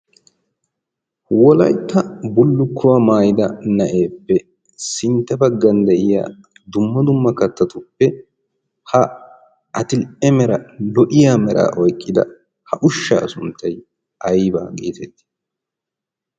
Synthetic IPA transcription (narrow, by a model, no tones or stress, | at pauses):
wɔlɐ̰jt̪ːɐbʊlːʊkʰːʊwaːmaːjɪd̪ɐnɐʔe̞ːpːɛ | sɪnt̪ːɛbɐɡːɐnd̪ɛʔɪja̰ː | d̪ʊmːɐd̪ʊmːɐkɐt̪ːɐt̪ʊpːɛ | hɐ | ʔɐt̪ɪlʔɛmɛɾɐlɔʔɪjaːmɛɾʔa̰ːʔɔjkʼːɪd̪ɐ̰ | hɐʔʊʃːɐ̰ːsʊnt̪ːɐj | ɐjba̰ːɡʼḭːt̪ɛt̪ːɪ̥